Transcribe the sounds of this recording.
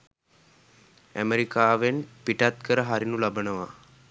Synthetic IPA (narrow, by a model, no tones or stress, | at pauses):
æ̰meɾikaːʋenpiʈat̪kəɾəɦaɾinulabənəʋa̰